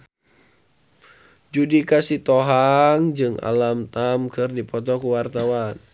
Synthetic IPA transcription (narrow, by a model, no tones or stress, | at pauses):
d͡ʒudikasit̪ɔɦaŋd͡ʒɨŋa̰lamt̪amkɨrdipɔt̪̬ɔkuwart̪awan